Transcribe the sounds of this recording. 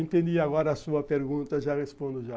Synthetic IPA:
ẽnt̪ẽnd̪iaɡɔɾɐːsuɐpeɾɡũnt̪ɐʒahespõnd̪ʊʒa

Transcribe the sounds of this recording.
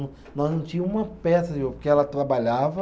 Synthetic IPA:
ʊ | nɔznɐ̃w̃t͡ʃĩɲɐ̃ũmɐpɛsɐd͡ʒɪvopʊɾkeɛlɐt̪ɾabaʎavɐ

